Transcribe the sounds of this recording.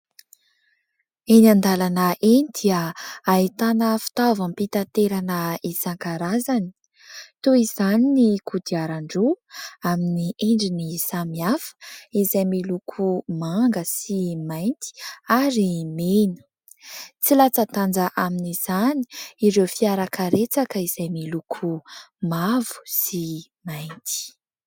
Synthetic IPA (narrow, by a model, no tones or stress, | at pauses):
enand̪alanəʔenid̪iəːit̪anəfi̥t̪avampit̪at̪eɾanəisaŋkaɾazani̥ | t̪oizaninikud̪iaɾaɳɖ͡ʐuaminiʔeɳɖ͡ʐinisamiafə̥izajmilukʰumaŋɡəsimajnt̪i̥aɾimenə̥ | t͡silat͡sət̪and͡zəʔaminiz̥ani̥iɾewfiaɾakʰəɾet͡sakəiz̥ajmilukʰumavu̥si | majnt̪i̥